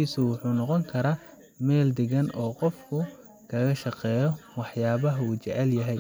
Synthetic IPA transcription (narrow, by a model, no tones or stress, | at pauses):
iːsʊwʊħuːnɔqɔŋkʰɐɾaː | mɛːld̪ɪɣɐnɔːqɔfkʰʊ | kʰɐɣɐʃɑqɛːjɔwɑħjaːβɐɦɐuːt͡ʃɛʕɛljɐɦɛj